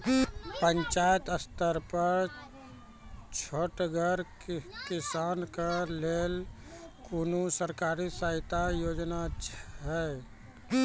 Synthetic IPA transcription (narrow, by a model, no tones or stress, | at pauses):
pəɲt͡ʃajət̪əst̪əɾpəɾ | t͡ʃʰoʈɡʱəɾ | kisankəlel | konusəɾkaːɾisaɪt̪ajoːd͡ʒnat͡ʃʰɦɛ